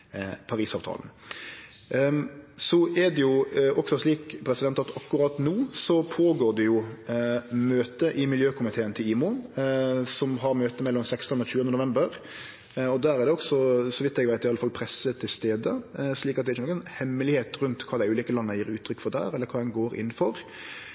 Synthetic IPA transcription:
pʰɑɾiːsɑːʋt̪ʰɑ̰ːln̩ | sɔʔɛd̪ɛjʊɔksɔʂɭiːkpʰɾɛsɪd̪ɛnt̪ɑt̪ɑkːʉɾɑt̪nuːsɔpʰoːɡoːʁd̪ɛjʊ | møːt̪əʔɪmɪljøːkʰʊmɪt̪ʰeːənt̪ʰɪliːmʊ | sɔmɦɑɾmøːt̪əmɛlːɔmsɛkst̪ɔnɔçʉːənd̪ənʊʋɛmbəɾ | ɔd̪æːɾɛɾd̪ɛɔɡsɔsɔʋɪt̪ːɛɡʋæɪt̪ɪɑləfɑlpʰɾɛsːət̪ʰɪlst̪eːd̪əsliːkɑt̪d̪ɛæɾçənɔkːɛnhɛmːəlɪheːt̪ɾʉnt̪kʰɑːd̪æɪʉːliːkəlɑnːəjiːɾʉːt̪ʰːɾʏkːfɔʁd̪æ̰ːɾɛləkʰɑːd̪ɛnɡoːɾɪ̰n̩ːfɔɾ

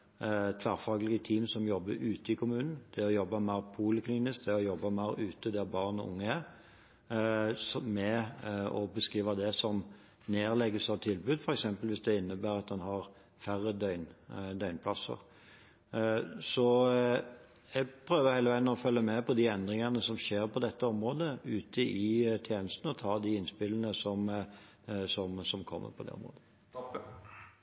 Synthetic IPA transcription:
t̪ʰʋæɾfɑːɡlɪɡət̪ʰiːmsɔmjɔbːəɾʉːt̪əɪkʰʊmʉːnn̩d̪̥ɛɔjɔbːɑmæɪɾpʰuːləkʰliːnɪsk̚d̪ɛɔjɔbːɑmæɪɾʉːt̪əd̪æbɑʁnɔ̰ʊ̰ŋːəæ | smɛɔbəskʁiːʋɑd̪ɛsɔm | neːɾlɛɡəsɑʋt̪ʰɪlbʉːd̪fɔɾɛksɛmpəlʋɪsd̪ɛɪnːəbæːɾɑt̪̚d̪ɛnɦɑʁ | fæɾəd̪œʏnd̪œʏnpʰlɑsːə̰ɾ | sɔ | jɛɡpʰɾøːʋəɾhæɪləʋæɪd̪nɔfœlːəmɛpʰɔd̪iɛnd̪ɾɪŋənəsɔmɕeːɾpʰɔd̪ɛt̪ːəɔmɾoːd̪əʉːt̪ʰəʔɪt̪ʰjeːnəst̪nəɔt̪ʰɑːd̪ɪɪnspɪlən̩əsɔm | sɔmsɔmkʰɔmːʔə̰ɾpʰɔd̪ɛ̰ɔ̰mɾo̰ːd̪ə

